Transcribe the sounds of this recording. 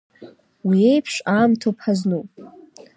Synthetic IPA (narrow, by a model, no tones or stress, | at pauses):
wiejpʰʂaːmtʰopʰaznupʼ